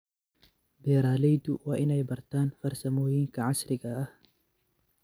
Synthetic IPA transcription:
bɛːɾaːlɛjd̪ʊwaːʔɪnɛjbɐrt̪ʰaːnfɐrsɐmɔːjiːŋkʰɐʕasɾɪɣɐɐh

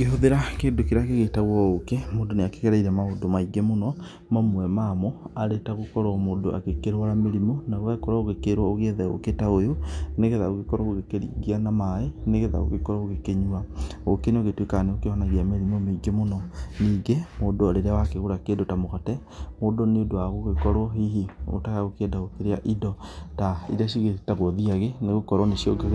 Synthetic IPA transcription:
keɦoðeɾakeːndokiɾaɣeɣetaɣwɔokemoːdoneake̥ɣɛɾaiɾamaodomaiɡemonɔ | mamwɛmamɔaɾetaɣokɔɾɔmoːdoʔa̰ɣekeɾwaɾameɾimɔnaɣwakɔɾaoɣekeɾwaoɣeðɛo̰ketaojoneɣeðaoɣekɔɾaɣoɣekeɾḭɣianamaeneɣeða̰o̰ɣekɔɾɔɣoɣekeɲuaokeneoɣetwekaneokehɔnaɣiameɾimomeɡemonɔniːɡemoːdoaɾeɾeawakeɣoɾakeːdotamoɣatɛ | modoneodoaɣoɣekɔɾwɔɦiɦio̰taɣaɣokeːdaɣokeɾeaʔidɔtaḭdaʃ̬iɣetaɣɔðiaɣeneɣokɔɾɔneʃiɔ̰ɡe

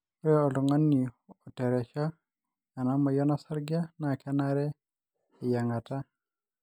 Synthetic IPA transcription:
ɔjɔɔlɔŋanːiɔtɛɾɛʃaː | namajɔnasaɾɡianakɛnaɾɛː | jaŋata

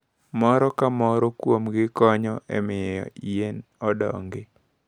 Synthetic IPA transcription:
mɔɾɔkamɔɾɔkwomɡɪkɔɲɔʔɛ̰mɪjɔ̰ienɔdɔ̰ŋɡe

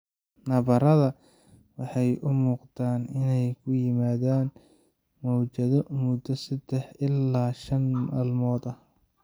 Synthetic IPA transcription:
nɐβɐɾɐðɐ | wɑħɑjʔʊmuːqd̪aːnɪnɛjkʰʊjɪmaːðaːn | mɔwt͡ʃɐðɔmʊd̪ːɐsɐd̪̥ɛħɪlːaːʃɐnmaːlmɔːd̪ɐ

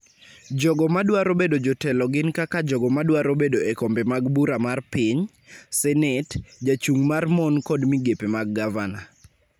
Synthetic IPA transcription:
d͡ʒɔɡɔmadwaɾobedod͡ʒɔtɛlɔɡɪnkakad͡ʒɔɡɔmadwaɾobedoekombemaɡbuɾamarpɪɲ | sɛnɛtd͡ʒat͡ʃuŋmarmɔnkɔdmiɡepemaɡ̚ːavana

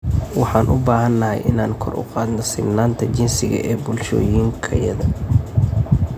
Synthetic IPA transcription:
wɑħɑːnʔʊbaːɦɐnːɐhɛjʔɪnaːŋkʰɔrʔʊ̰qɑːd̪nɔsɪɡnaːnt̪ʰɐt͡ʃɪnsɪɣɐ̰ʔɛːbʊlʃɔ̰ːjiːŋkʰɐjɐðɐ

